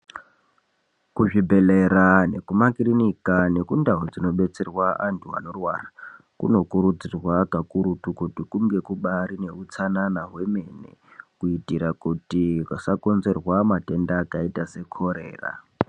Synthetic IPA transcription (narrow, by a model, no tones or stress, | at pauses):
kuʐibʱe̞leɾane̞kumakirinikane̞kundaɦod͡zino̞ɓe̞t͡serwaantʰua̰no̞rwaːra | kṵno̞kuɾud͡zirwakakuɾutukutikuŋɡe̞kuɓaɾine̞ut͡sananaɦwe̞me̞nḛkuitiɾakutikasako̞nze̞rwamate̞ndaːkaitase̞kʰoɾḛːra̰